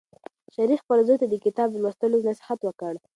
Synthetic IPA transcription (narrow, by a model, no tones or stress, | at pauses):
ʃaɾifpəlzojt̪ad̪əkɪt̪ɑblwəst̪əlonasɪ̥hat̪wəkəɽ